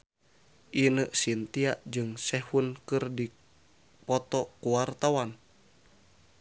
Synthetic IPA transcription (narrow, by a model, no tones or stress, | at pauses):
ʔinəʔsint̪iaʔd͡ʒɨŋsɛhunkɨrdi | pɔt̪ɔkuwart̪awan